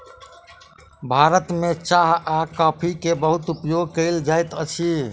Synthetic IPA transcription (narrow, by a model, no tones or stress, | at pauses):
bʱaɾət̪met͡ʃaɦakapʰikebəɦut̪upjoɡkəɪld͡ʒajt̪ət͡ʃʰi